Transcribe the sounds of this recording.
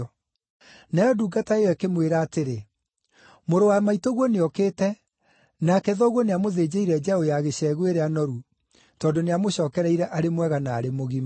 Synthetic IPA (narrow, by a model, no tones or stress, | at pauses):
najɔduːɡataewɛkemweɾaːteɾe | moɾowamaitoɣwɔneɔkeːtɛ | nakɛðɔɣwɔneamoðeːd͡ʑeiɾɛd͡ʑaojaɣeɕɛːɣweɾɛanɔɾu | tɔːndoneamoɕɔːkɛɾɛiɾɛʔaɾemwɛɣanaːɾemoɣima